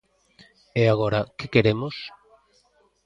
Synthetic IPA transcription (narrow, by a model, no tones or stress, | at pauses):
eaɣoɾakekeɾemos